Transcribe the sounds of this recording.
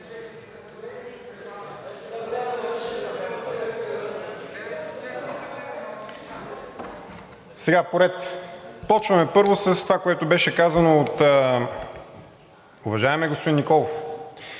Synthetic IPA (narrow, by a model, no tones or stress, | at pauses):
sɛɡapoɾɛt̪pɔt͡ʃvɐmɛpɤɾvosəst̪ovakoɛt̪ʊbɛʃɛkazɐnoːt̪ː | ʊvɐʒaɛmɛɡospod̪innikɔlˠof